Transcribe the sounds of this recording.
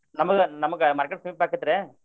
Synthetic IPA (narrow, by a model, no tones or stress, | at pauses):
nɐmɐkːɯnɐmɐkːɯmɐɾkːɐʈsɐmipaːɾkːɯt̪ɯɾẽː